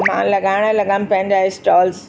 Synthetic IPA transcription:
mã̰lɐɡaːɪɽ̃əlɐɡanɪ̆pɐ̃ɦɪ̃ɲd͡ʑaɪsʈɔːls

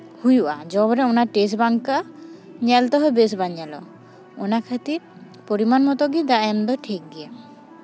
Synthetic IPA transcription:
hujuʔad͡ʒɔbɔɾɛonaɾʈes̬baŋkaɲɛlt̪ɔɦɔebes̬baɲalɔ̰ | onakʰat̪iɾ | poɾimanmɔt̪ɔɡid̪aɛmd̪ɔʈʰek̚ɡia

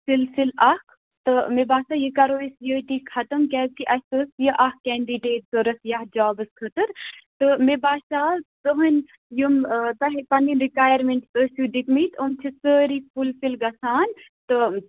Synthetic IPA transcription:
silsilɐkʰ | t̪ɨmebaːsaːjikɐɾoːisjəːʈiːkʰɐt̪əmkɛːt̪iʔɐst̪əsjəʔɐhkɛːɳɖiɖeːt̪̚zəɾɐsjahd͡ʒaːbɨskʰɐt̪əɾt̪ɨmebaːsaːt̪əɦən | jumt̪ɐɦipɐniɾikaːjɐɾmeɳʈsəsuɖikmit̪ʰəmt͡ʃʰisəːɾipulsilɡɐsaːn | t̪ɨ

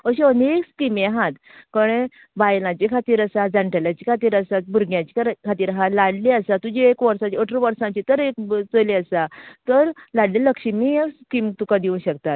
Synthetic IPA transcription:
əɕeəneekskimeaɦat̪ | kəɽ̃ẽ | bajlãt͡ɕekʰat̪iːɾəsad͡zaɳʈəljat͡ɕikʰat̪iːɾəsat̪̚buɾɡjãt͡ɕekkʰat̪iːɾɦalaɽliəsat̪ud͡ʑiekʋəɾsãt͡ɕiəʈʰɾəʋəɾsãt͡ɕit̪əɾekt͡səliəsat̪əɾlaɽleləkɕimiekskimt̪ukad̪iũɕəkt̪at̪̚

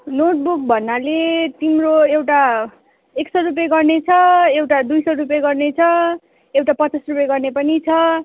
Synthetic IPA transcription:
noʈ̚buk̚bʱʌnːalet̪imroewʈa | eksʌɾupjeɡʌrnet͡sʰʌewʈad̪ujsʌjɾup̬jeɡʌrnet͡sʰʌ | ewʈapʌt͡sasrupjeɡʌrnepʌnit͡sʰʌ

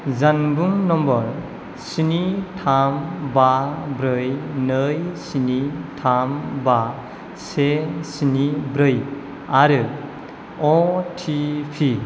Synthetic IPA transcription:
zanbuŋnɔmbɔɾ | sinitʰambabɾɯjnɯjsinitʰamba | sesinibɾɯj | aɾɯ | ɔtʰipʰi

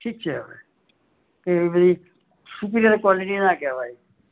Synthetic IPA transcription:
ʈʰiːk̚t͡ʃʰɛəʋḛ | keʋibəd̪ʱi | sup̬ɾjəɾkwaliʈinakɛʋaːi

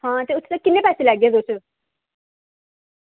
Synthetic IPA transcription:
hãːt̪eʊtʰːt̪akɪnːeːpɛːselɛːɡeɛːd̪oːt͡ʃʰ

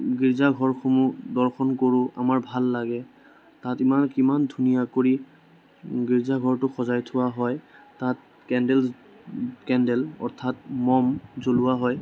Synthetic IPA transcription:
ɡiɹzaɡʱɔɹxomudɔɹxɔnkoɹʊ̃ʔa̰maɹbʱalːaɡɛ | tatimankimandʱunijakoɹi | ɡiɹzaɡʱɔɹtʊxɔzajtʰʊwaɦɔjtat̚ | kɛndɛl | kɛndɛlɔ̰ɹtʰat̚mɔmzolʊwaɦɔj

